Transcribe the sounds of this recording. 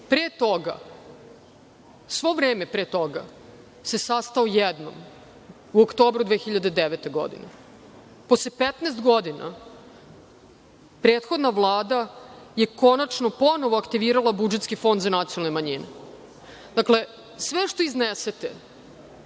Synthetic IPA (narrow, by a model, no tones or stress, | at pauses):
pɾeːt̪o̞ɡa̰ | sʋo̞vɾeːmepɾeːt̪o̞ɡa̰ | se̞sast̪aojɛd̪no̞̰m | uokt̪o̞ːbɾud̪ʋexiʎad̪e̞d̪eʋet̪e̞ɡo̞̰d̪ḭne | poslepet̪neːst̪ɡo̞d̪ina̰ | pɾeːt̪xo̞d̪naʋlˠaːd̪aje̞ko̞nat͡ʃno̞po̞no̞ʋoakt̪iʋiːɾalˠabud͡ʒet̪skifo̞nd̪zanat̪sionalnemaɲine | d̪akle̞ | sʋeʃt̪o̞izneset̪e